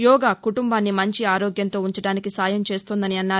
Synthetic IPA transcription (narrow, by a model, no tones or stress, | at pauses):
jɔːɡaːkuʈumbaːnːimɐɲt͡ʃiaːɾoːɡjɐnt̪o̞ːuɲt͡ʃɐɽaːnikisaːjɐmt͡ʃe̞ːst̪oːnd̪ɐniɐnːaː